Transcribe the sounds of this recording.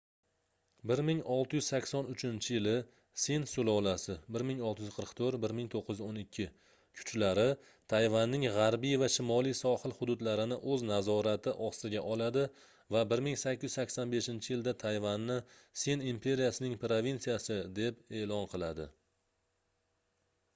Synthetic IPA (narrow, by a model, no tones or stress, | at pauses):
bɪɾmɪŋɒlˠt̪ʰɪjʏzsakʲsɒnʊt͡ʃʰɪnt͡ʃʰɪjɪlɪ | sensʊlˠɒlasɪbɪɾmɪŋɒlˠt̪ʰɪjyz̥qʰɨɾɨqt̪ʰɵɾt̪bɪɾmɪŋt̪ʰoqʰːɨj̪ʊzonɪkʲʰːɪ | kʰʊ̥t͡ʃlaɾɪ | t̪ʰajvanːɪŋʁaɾbijvaʃɪmɒlˠijsɒhɨlˠhʊd̪ʊd̪laɾɪnɪʔɵznazɒɾat̪ʰɪʔɒsɪɡʲaʔɒlˠad̪ɪ | vabɪɾmɪŋsakʲːɪjyzsakʲsanbe̞ʃɪnt͡ʃʰɪjɪld̪at̪ʰajvanːɪ | senimpʰe̞ɾijasɪnɪŋpɾovinsijasɪd̪e̞pe̞lɒnqʰɨlˠad̪ɪ̰